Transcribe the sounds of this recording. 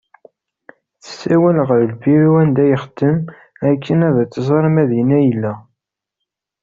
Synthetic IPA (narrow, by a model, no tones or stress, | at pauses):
θə̥sːæwælʁəɾlbiɾiwænd̪æjəχd̪əm | ækʰːənæðæt͡sːəzˤɑɾˤmæðinæjəlːæ